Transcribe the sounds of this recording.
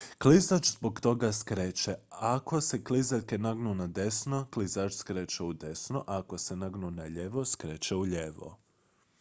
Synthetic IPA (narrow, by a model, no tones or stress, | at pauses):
klizat͡ʃzbokt̪o̞ɡaskɾeːt͡ʃeako̞se̞klizaʎkenaɡnunad̪e̞snoklizat͡ʃskɾeːt͡ʃeud̪e̞snoʔako̞senaɡnunaʎeʋoskɾeːt͡ʃeuʎeʋo̰